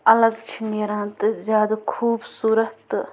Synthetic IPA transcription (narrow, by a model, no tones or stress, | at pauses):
ɐləɡt͡ʃʰineɾãːt̪zjaːd̪kʰuːbsuːɾət̪